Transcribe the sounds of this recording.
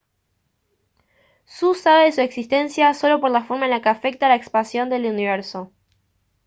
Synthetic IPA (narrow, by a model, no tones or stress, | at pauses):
susaβeðesueksist̪e̞nsjaso̞lo̞po̞ɾlafo̞ɾmaenlakeafe̞k̚t̪alaekspansjo̞nd̪e̞luniβ̞eɾso̞